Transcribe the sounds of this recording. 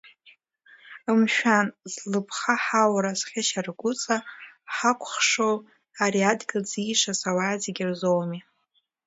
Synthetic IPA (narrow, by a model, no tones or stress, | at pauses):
ɨmʃᶣanzlɨpʰχaħawɾazχʲɪʃarɡʷʊt͡sʼaħakʷʰʼχʂow | aɾiadɡʲɨld͡ziːʂasawaːzeɡʲɪrzowmi